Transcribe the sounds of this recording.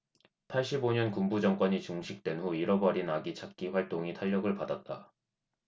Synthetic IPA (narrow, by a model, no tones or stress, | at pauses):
pʰaɭɕ͈iboɲʌnkumbud͡ʑʌŋk͈wʌɲit͡ɕuŋɕʰik̚t͈we̞nɦuiɾʌbʌɾinaɡit͡ɕʰak̚k͈iɸwaɭt͈oŋitʰaʎːʌɡɯɭpadat̚t͈a